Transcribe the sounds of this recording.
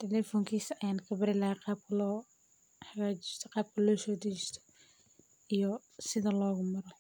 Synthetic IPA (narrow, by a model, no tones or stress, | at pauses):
t̪ʰɛlɛːfɔŋkʰiːsɐjaːnkʰɐbɪɾɪlɐhqɑːb̚kʰɐlɔː | ħɐɣaːt͡ʃɪst̪ʰɔqɑːb̚kʰɐlɔːsɔːd̪ɪt͡ʃɪst̪ʰɔ̥ | ijɔ | sɪðɐlɔːɣʊmɐɾɔ